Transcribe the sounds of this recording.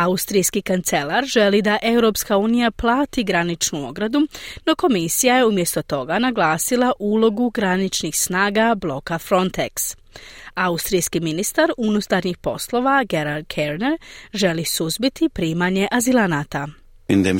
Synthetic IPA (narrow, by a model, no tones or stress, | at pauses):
aust̪ɾijskikant̪se̞laɾʒe̞lid̪aʔe̞wɾo̞pskauːnijaplˠaːt̪iɡɾanit͡ʃnuo̞ɡɾad̪uno̞ko̞misijaje̞umjest̪o̞t̪o̞ɡanaɡlˠaːsilˠaʔuːlˠo̞ɡuɡɾanit͡ʃnixsnaːɡablˠo̞kafɾo̞nt̪eks | aust̪ɾijskiminist̪aɾunut̪aɾɲixpo̞̰slˠo̞ːʋaɡe̞ɾaɾd̪kʰeɾneɾʒe̞lisuzbit̪ipɾiːmaɲe̞ʔazilˠanat̪a | ind̪em